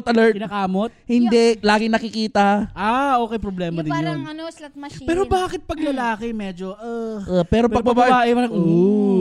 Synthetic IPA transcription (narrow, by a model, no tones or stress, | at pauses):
t̪ɐlɛɹt̪ɪnakaːmot̪hɪnd̪ɛlaːɡɪŋnɐkɪkiːt̪ɐaːʔoːkɛjpɾoblɛːmɐd̪ɪnjonɐnoslɐt̪̚mɐpɛːɾobaːkɪt̪̚pɐɡlɐlaːkɛmɛːd͡ʒoʔapɛːɾoppɐɡɡbɐbaːʔaʔɪɐɐo